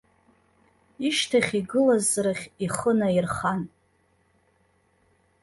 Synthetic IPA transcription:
iʃtʰaχʲiɡɨlazraχʲiχənairχan

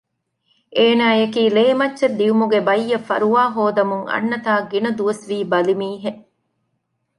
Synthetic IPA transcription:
ʔeːnaːjekiːleːmɐtːʃed̪ːiumuɡebɐjːɐfɐ̰ɾuʋaːɦoːd̪ɐmuŋɐ̰nːɐt̪aːɡinɐd̪uʋɐsʋiːbɐlimiːɦe

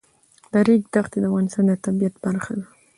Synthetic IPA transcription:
d̪̥aɾiɡd̪axt̪ed̪əavɣɑnɪst̪ɑnd̪ət̪abijat̪baɾxad̪i

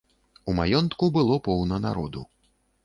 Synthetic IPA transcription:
umajɔnt̪kubɨlˠɔpɔwnɐna̰ɾɔ̰d̪ṵ

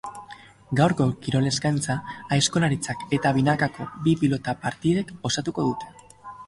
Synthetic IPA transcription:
ɡawɾko̞kiɾo̞le̞zɡajnt͡saesko̞laɾit͡sake̞t̪aβ̞inakako̞̰bipilo̞t̪apaɾt̪iðe̞ko̞sat̪uko̞ðut̪e̞

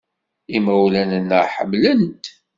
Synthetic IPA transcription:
imæwlænənəʁħə̰mlənt̪

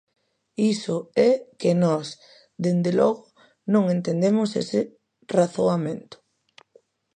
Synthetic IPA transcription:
isʊɛkenɔs | ðend̪elɔɣʊ | nõŋent̪end̪emʊsḛsɪ | raθoamẽnt̪ʊ̥

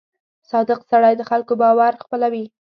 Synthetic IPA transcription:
sɑd̪əqsaɽajd̪əxalkobɑwaɾxpəlawi

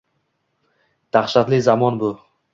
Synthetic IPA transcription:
t̪ʰaχʃat̪lɪzamɒnbʊ

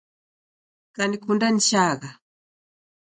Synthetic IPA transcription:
kanikundanit͡ʃaɣa

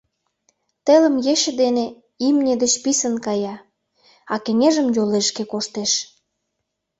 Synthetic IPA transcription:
t̪elə̆mjeʃə̆d̪ene | imnʲed̪ət͡ɕpisənkɑjɑ | ɑkĕŋeʒəmjoleʃkekoʃt̪eʃ

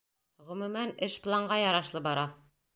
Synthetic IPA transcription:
ʁɵ̆mʉ̆mænɘʃplˠɑɴɢɑjɑɾɑʃlˠɤbɑɾɑ

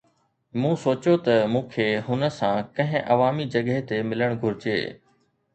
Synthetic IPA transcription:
mũːsoːt͡ɕot̪ɐmũːkʰeːɦʊnə̆sãkɐ̃ɦɪ̃ʔɐʋaːmid͡ʑɐɠɦet̪emɪləɽ̃ɡʱʊɾɪd͡ʑḛː

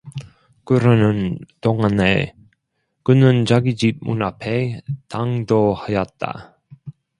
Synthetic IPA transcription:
kɯɾʌnɯntoŋane | kɯnɯnt͡ɕaɡid͡ʑip̚mṵnapʰetaŋdohajʌt̚t͈a̰

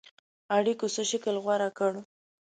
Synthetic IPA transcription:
aɽikosəʃɪkəlɣwaɾakəɽ

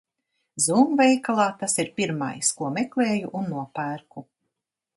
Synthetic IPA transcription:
zuːmvɛjkalˠaːt̪asiɾpʲiɾma̰jskuɔmɛklˠeːjuʔunːuɔpæːɾku

